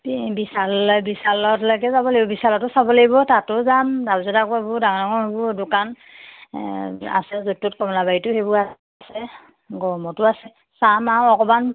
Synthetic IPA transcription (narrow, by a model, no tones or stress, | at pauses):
bisalbisalɔtlaɡɛzabɔlaɡibɔbisalɔtʊsabɔlaɡibɔtatʊzamdabzɔdakʊabʊdaŋɔdɔŋɔhebɔdʊkan | a̰sɛzotːutkɔmɔlabaitʊhebʊa | sɛ | ɡɔmɔtʊasɛ | samaɔkɔman